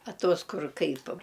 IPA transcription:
ɐ ˈtuɔs ˈkʊr ˈkɐɪp

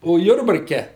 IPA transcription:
oː ˈjʊrbɐrʲkʲɛ

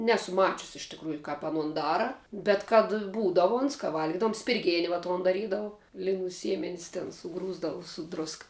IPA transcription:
ˈnʲæːsʊ ˈmɑːt͡ʃʲʊsʲɪ ɪʃ tʲɪkˈruːjʊ kɐp ɐˈnʊn ˈdɑːrɐ bʲɛt kɐt ˈbuːdɐʋʊ oːns kɐ ˈʋɐlʲɡʲɪdɐʋʊm sʲpʲɪrʲˈɡʲeːnʲɪ ʋɐ ˈtoːn dɐˈrʲiːdɐʋʊ lʲɪˈnuː ˈsʲiɛmʲɛnʲɪs tʲɛn sʊˈɡruːzdɐʋʊ sʊ ˈdrʊskɐ

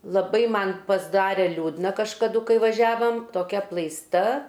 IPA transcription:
lˠɐˈbɐɪ ˈmɐn pɐzˈdɑːrʲɛ ˈlʲuːdnɐ kɐʃkɐˈdʊ kɐɪ ʋɐˈʒʲæːʋɐm toːˈkʲɛ ɐplˠɐɪsˈtɐ

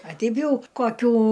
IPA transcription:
ɐ ˈtʲɛɪp ˈjɛʊ koːˈkʲuː

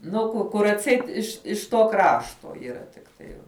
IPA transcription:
nʊ ˈkʊ ˈkʊr ɐtʲˈsʲɛɪt ɪʃ ɪʃ toː ˈkrɑːʃtoː iːˈrɐ tʲɪkˈtɐɪ

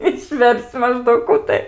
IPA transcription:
ɪʃʲˈʋʲɛrʲsʲt͡sʲ mɐˈʒdɐʊk ˈkuː tɐɪ

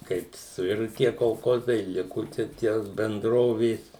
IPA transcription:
ˈkɐɪp sʊˈɪrʊ ˈtʲiɛ koːlˠˈkoːzɐɪ ˈlʲɪkʊ t͡ʃʲɛ ˈtʲiɛ bʲɛnˈdroːʋʲeːs

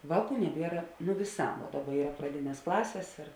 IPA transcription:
ˈʋɑːˌkuː nʲɛˈbʲiɛrɐ nʊ ʋʲɪˈsɑː ˈdɑːˌbɐ ˈiːrɐ prɐˈdʲɪnʲeːs ˈklˠɑːsʲeːs ɪr

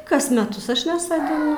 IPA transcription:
ˈkɐs mʲɛˈtʊs ˈɐʃ nʲɛsoːdʲɪˈnʊ

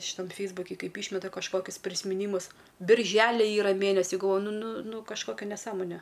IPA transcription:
ʃʲɪˈtɐm ˈfʲɛɪzbʊkʲɪ ˈkɐɪp ˈiːʃʲmʲɛtɐ kɐʃˈkoːkʲʊs pʲrʲɪsʲmʲɪˈnʲiːmʊs bʲɪrʲˈʒʲæːlʲɪ ˈiːrɐ ˈmʲeːnʲɛsʲɪ ɡɐlˠˈʋoːjʊ ˈnʊ ˈnʊ ˈnʊ kɐʃˈkoːkʲɛ nʲɛˈsɑːmoːnʲɛ

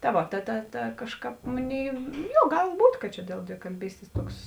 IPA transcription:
tɐ ˈʋoː tɐ tɐ tɐ ˈkɑːʃˌkɑːp ˈmoːˌnʲeːɪ ˈjoː ˈɡɐlˠ ˈbuːtʲ kɐt ˈt͡ʃʲɛ dʲeːlˠ dʲʋʲɪkɐlʲˈbʲiːsʲtʲeːs toːks

